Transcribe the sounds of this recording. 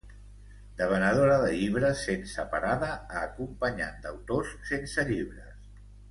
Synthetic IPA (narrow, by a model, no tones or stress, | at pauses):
d̪əβ̞ənəð̞oɾəðəʎiβ̞ɾəsːensəpaɾaðəaːkumpəɲa̰nd̪əwt̪osːensəʎiβ̞ɾəs